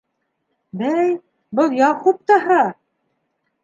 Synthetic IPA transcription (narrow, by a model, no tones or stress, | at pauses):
bæj | bɤlˠjɑχup̚t̪ɑɦɑ